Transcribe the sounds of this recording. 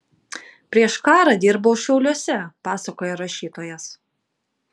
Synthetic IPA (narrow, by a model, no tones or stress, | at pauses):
pʲɾʲiɛʃkɑːɾɑd̪ʲɪɾboʊʃʲɛʊlʲuɔsʲɛpɑːsɐkoːjɛɾɐʃʲiːt̪oːjɛs